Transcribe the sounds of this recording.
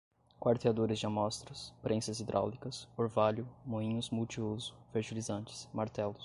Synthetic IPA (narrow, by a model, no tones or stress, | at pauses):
kwaɾt̪ead̪oɾɪzd͡ʒɪamɔst̪ɾɐspɾʔẽsɐzid̪ɾʔa̰wlikɐsoɾvaʎʊmõĩɲʊzmuwt͡ʃiozʊ̥feɾʒilizɐ̃nt͡ʃɪ̥smaɾt̪ɛlʊs